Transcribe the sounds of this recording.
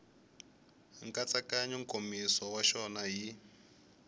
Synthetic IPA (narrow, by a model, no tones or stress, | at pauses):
ŋkat͡sakaɲɔŋkʼomiswɔwaʃɔnaɦi